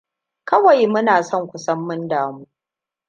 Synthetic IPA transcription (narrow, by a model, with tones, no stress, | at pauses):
kɐ˦wa˨jmʊ˦naː˨sɔ˦˨ŋkʷʊ˨sɐ˦mːɪ˦ndaː˨muː˦ʔ